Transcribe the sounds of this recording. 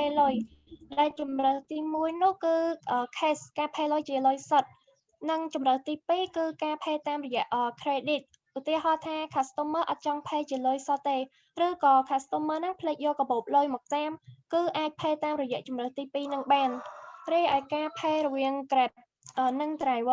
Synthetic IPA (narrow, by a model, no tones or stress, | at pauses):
pʰeːloj | ɗaɛlt͡ɕumrəht̪iːmuəjnʊ̆əhkɨːʔəːkʰeːskaːpʰeːlojt͡ɕiəlojsət̪̚ | nɨŋt͡ɕumrəht̪iːpiːkɨːkaːpʰeːt̪aːmrɔjɛ̆əʔəːkʰreːɗit̪̚ | ʔut̪iəɦɑːt̪ʰaːkʰast̪oməːʔɑt̪̚t͡ɕɑŋpʰeːt͡ɕiəloːjsət̪ːeː | rɨːkɑːkʰast̪oːməːnɨŋpʰəleːk̚joːlkɔɓoːp̚loːjmɔːk̚t̪aːmkɨːʔaːc̚pʰeːt̪aːmrɔjɛ̆əʔt͡ɕumrəht̪iːpiːnɨŋɓaːnriːjʔaɔjkaːpʰeːrɔʋiəŋkrɛp̚ | ʔəːnɨŋt̪raʋə